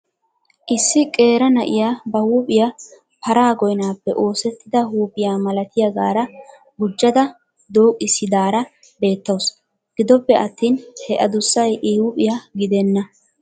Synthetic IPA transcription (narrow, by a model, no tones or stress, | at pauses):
ʔɪsːɪkʼe̞ːɾɐnɐʔɪjaːbɐhuːpʼɪja | pɐɾaːɡɔjnaːpːɛʔo̞ːsɛt̪ːɪd̪ɐhuːpʼɪjaːmɐlɐt̪ʰɪjɐɡaːɾɐ | ɡʊd͡ʒːɐd̪ɐ | d̪o̞ːkʼːɪsɪd̪aːɾɐ | be̞ːt̪ːɐws | ɡ̥ɪd̪ɔpːɛʔɐt̪ːiːnhɛʔɐd̪ʊsːɐjʔiːwʊpʼɪjaɡɪd̪ɛnːɐ